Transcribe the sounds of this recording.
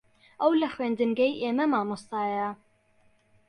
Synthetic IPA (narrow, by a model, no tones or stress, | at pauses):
ʔɐwlɐxweːnd̪ɨnɡɛjʔeːmɐmaːmust̪ɑːjɐ